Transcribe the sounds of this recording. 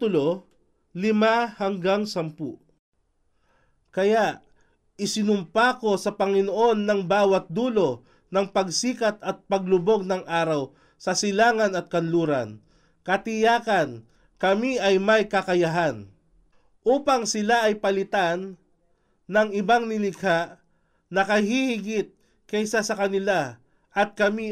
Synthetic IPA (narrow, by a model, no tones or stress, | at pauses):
ʊlo | lɪmahɐŋɡaŋsɐmpu | kɐjaʔ | ɪsɪnʊmpako̞sɐpɐŋɪnoʔo̞nːɐŋbaːwɐt̪̚d̪uːlo̞ | nɐŋpɐɡsiːkɐt̪ɐt̪̚pɐɡ̚lʊbo̞ɡ̚nɐŋʔaːɾɐw | sɐsɪlaːŋɐnɐt̪̚kɐnluːɾɐ̰n | kɐt̪ɪjaːkɐn | kɐmiʔɐjmɐjkɐkɐjɐɦan | ʔuːpɐŋsɪlaʔɐjpɐlɪt̪anː | ɐŋɪbaŋnɪlɪɡhaʔ | nɐkɐhihɪɡɪt̪̚ | kɛsasɐkɐnɪla | ʔɐt̪̚kɐmi